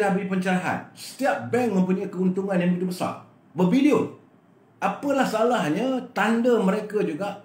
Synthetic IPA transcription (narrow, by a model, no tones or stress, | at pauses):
dabɾipəɲt͡ʃəɾaɦa̰nsə̥t̪iaʔ̚bɛŋmə̃mpuɲakəunt̪uŋãnjaŋmbəɡit̪ubəsa̰r | bəbiliʊn | ʔapəlahsalahɲə̃t̪andəməɾekad͡ʒuɡaʔ